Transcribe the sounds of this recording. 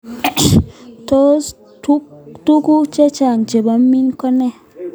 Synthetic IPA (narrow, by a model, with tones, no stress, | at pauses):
to˦s | tu˦tu˦ku˦t͡ʃe˦t͡ʃa˨n˨d͡ʒe˨ba˨˦m˦mːi˦nkɔ˦ne˦